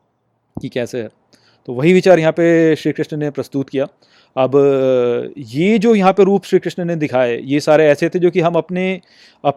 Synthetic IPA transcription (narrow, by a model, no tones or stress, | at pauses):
kikɛːseɦɛː | t̪oːʋɐɦiʋɪt͡ʃaːɾjɐɦãːpeʃɾiːkɾɪʃnənepɾɐst̪ut̪kijaː | ɐb | jed͡ʒoːjɐɦãpeɾuːpʃɾiːkɾɪʃnəned̪ɪkʰaːejesaːɾeɛːset̪ʰed͡ʒoːkiɦɐmɐpne | ɐp